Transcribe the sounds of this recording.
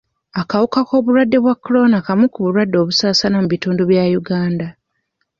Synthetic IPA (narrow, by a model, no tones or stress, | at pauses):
akawukako̞ːβuɾwadːe̞βwakːolo̞nakamukuβuɾwadːo̞ːβusaːsanamuβituːnduβjajuɡaːnda